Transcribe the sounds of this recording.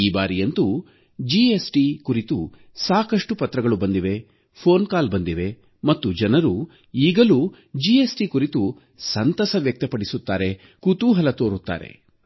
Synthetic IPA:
iːbaːɾijɐnt̪u | d͡ʒiesʈikuɾit̪ṵ | saːkɐʂʈupɐt̪ɾɐɡɐɭubɐnd̪iʋe̞ | pʰoːnkaːlbɐnd̪iʋe̞ | mɐt̪ːud͡ʒɐnɐɾu | iːɡɐlu | d͡ʒiesʈikuɾit̪u | sɐnt̪ɐsɐʋjɐk̚t̪ɐpɐɽisut̪ːaːɾe̞ | kut̪uɦɐlɐt̪oːɾut̪ːa̰ːɾe̞̰

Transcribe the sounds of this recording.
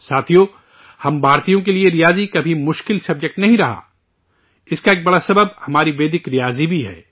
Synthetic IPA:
saːt̪ʰijo | hɐmbʱaːɾt̪ijõk̬elieɾijaːzikɐbʱimʊʃkɪlsɐb̚d͡ʒək̚ʈnɐɦĩɾɐɦa̰ː | ɪskaeːk̚bɐɽasɐbəb̚hɐmaːɾiʋeːd̪ɪkɾijaːzibʱiɦɛ̰ː

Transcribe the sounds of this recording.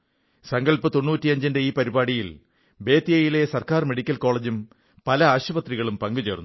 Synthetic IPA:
sɐŋɡɐɭpɨt̪o̞nːuːtːiɐɲd͡ʑɐndeiːpɐɾibaːɽijil | be̞ːt̪ːijɐjile̞sɐrkaːrme̞ɽikʲːɐlko̞ːɭed͡ʑum | pɐlɐaːɕubɐt̪riɣɐɭumpɐŋɡut͡ɕe̞ːrnː

